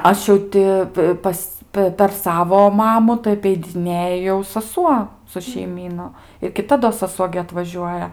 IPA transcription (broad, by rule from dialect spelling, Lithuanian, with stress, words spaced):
ˈɐʃ jɛʊ tʲɪ ˈpɐs ˈpʲɛ pʲɛr ˈsɑːʋoː ˈmɑːmʊ tɐɪ ɐpʲɛɪdʲɪˈnʲeːjɛ jɛʊ sɐˈsuɔ sʊ ʃʲɛɪˈmʲiːnʊ ɪr kʲɪˈtɐ doː sɐˈsuɔ ɡʲɪ ɐtʋɐˈʒʲuɔjɛ